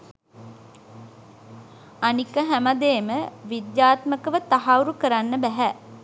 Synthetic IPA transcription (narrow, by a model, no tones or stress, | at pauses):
anikːəɦæmad̪eːməʋid̪jaːt̪məkəʋət̪aɦauɾukəɾanːəbæɦæ